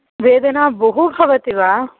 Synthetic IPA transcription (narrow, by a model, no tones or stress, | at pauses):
ʋeːd̪ɐnaːbɐɦubʱɐʋɐt̪iʋaː